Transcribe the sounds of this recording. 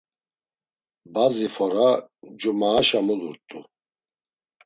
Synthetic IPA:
bazifɔɾad͡ʒumaːʃamuluɾt̪ʼu

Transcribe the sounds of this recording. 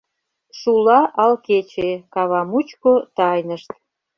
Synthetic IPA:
ʃulɑʔɑlket͡ɕekɑβɑmut͡ɕkot̪ɑjnəʃt̪̚

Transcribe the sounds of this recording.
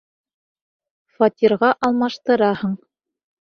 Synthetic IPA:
fɑt̪ʲiɾʁɑʔɑlˠmɑʃt̪ɤ̆ɾɑhɤɴ

